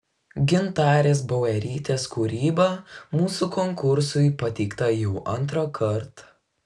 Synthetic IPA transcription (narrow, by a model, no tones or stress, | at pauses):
ɡʲɪnt̪ɑːɾʲeːsbɐʊɛɾʲiːt̪ʲeːskuːɾʲiːbɐmuːsukɔŋkʊɾsʊɪpɐt̪ʲɛɪkt̪ɐjɛʊʔɐnˑt̪ɾoːkʰɐɾt̪